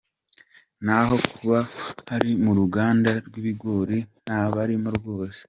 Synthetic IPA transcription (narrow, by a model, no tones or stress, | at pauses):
naɦo̞kʰuβahaɾimuɾuɡaːndaɾɡwiβiɡoːɾin̥aːβaɾimuɾɡo̞ːse̥